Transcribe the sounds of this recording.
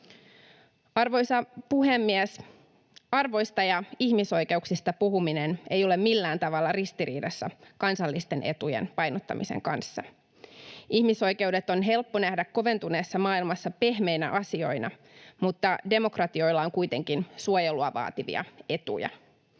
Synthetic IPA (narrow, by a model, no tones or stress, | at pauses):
ɑrʋo̞jsɑpuɦemːiæs | ɑrʋo̞jst̪ɑjɑihmiso̞ike̞uksist̪ɑpuɦuminenejo̞le̞mmilːæːnt̪ɑʋɑlːɑrist̪iɾḭːdɑsːɑ̰kɑnsɑlːist̪e̞nʔe̞̰t̪ujḛnpɑjnot̪ːɑ̰mʔḭsḛŋkɑnsːɑ̰ | ʔihmiso̞jke̞wde̞t̪o̞nɦe̞lpːonæhdækko̞ʋe̞nt̪uneːsːɑmɑːilmɑsːɑpe̞hme̞jnæ̰ʔɑsio̞inɑ | mut̪ːɑde̞mo̞krɑt̪io̞jlːɑoŋkujt̪e̞ŋkinsuojeluɑʋɑ̰ːt̪iʋḭɑ̰e̞t̪ṵjɑ̰